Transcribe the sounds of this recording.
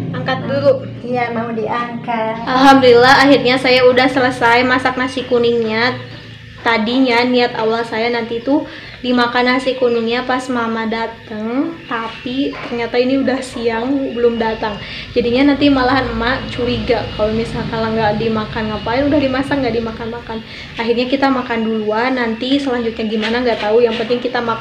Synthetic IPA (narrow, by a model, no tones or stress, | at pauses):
aŋkat̪̚duɾu | jamaudiaŋkaʔalɦamdulilaɦahirɲasajaudahsələsajmasak̚nasikunɪŋɲa | t̪adiɲaniat̪awalsajanant̪it̪u | dimakanasikunɪŋɲapasmamadat̪əŋt̪apit̪ərɲat̪ainiudahsiaŋbəlʊmdat̪aŋ | d͡ʒadiɲanant̪imalaɦanmat͡ʃuɾiɡakaloimisalkanlaŋɡaʔdimakanŋapainudahdimasak̚ŋɡaʔdimakanmakan | aɦirɲakit̪amakanduluanant̪isəlaɲd͡ʒut̪̚ɲaɡimanaŋɡat̪aujaŋpənt̪ɪŋkit̪ama